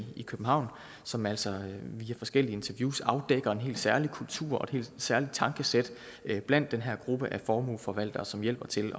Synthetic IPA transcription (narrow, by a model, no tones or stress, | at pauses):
ikʰøb̥m̩ɦɑ̈ʊ̰n | sɒ̽mæl̰sɒʋiæfɒ̽sɡ̥el̰iəe̝nt͡sʰɐʋjuːsɑ̈ʊd̥eɡ̥ɐe̝nɦe̝̰ːld̥sæɐlikʰult͡sʰṵɐ̰ɒ̽e̥he̝̰ːld̥sæɐlid̥̚t͡sʰɑ̈ŋɡ̥əsed̥ | b̥læn̰d̥ːenɦæɐ̰ɡ̥ʁub̥əʔæfɒːmṵlfɒ̽ʋæl̰d̥ɐːsɒ̽mjel̰b̥ɐt͡sʰe̝lɒ